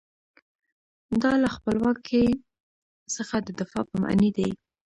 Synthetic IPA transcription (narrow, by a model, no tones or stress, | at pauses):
d̪ɑlaxpəlwɑkʰe | səxad̪əd̪ɪfɑpəma̰ʔnid̪aj